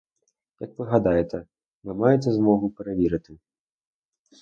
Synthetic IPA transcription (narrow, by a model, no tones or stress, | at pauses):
jɐkvɨɣad̪ajɛt̪ɐ | vɨmajɛt̪ʲɛzmɔɣupʲɾavʲiɾɐt̪ɨ